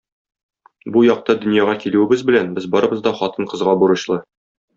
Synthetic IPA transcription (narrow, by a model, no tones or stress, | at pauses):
bujɒq̚t̪ɑd̪ɵ̆njɑʁɑkiluɘ̆bɘzbɘ̆lænbɘzbɒɾɤ̆bɤzd̪ɒχɒt̪ɤɴqɤ̆zʁɑbuɾɤ̆ɕlˠɤ